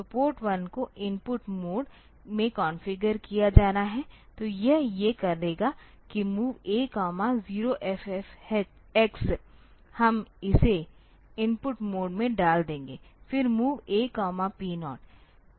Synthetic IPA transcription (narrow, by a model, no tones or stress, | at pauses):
sɐpoːɾʈwɐnkoʔɪ̃npʊʈmoːɖ | mẽkɔːnfɪɡəɾkijad͡ʒaːnaɦɛt̪ojɛɦjekɐɾleːɡa | kimuːʋeːkaːmaziːɾoʔɛfɛfɛ | ɛks | hɐmɪse | ɪnpʊʈmoːɖmẽɖaːld̪ẽːŋɡeːfɪɾmuːʋeːkːaːmapiːnɔːʈ̚